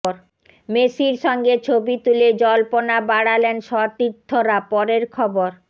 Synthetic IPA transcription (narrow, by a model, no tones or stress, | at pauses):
ɾ | mesiɾʃɔŋɡet͡ɕʰobit̪uled͡ʑɔlponabaɽalenʃɔt̪it̪ʰːoɾapɔɾeɾkʰɔboɾ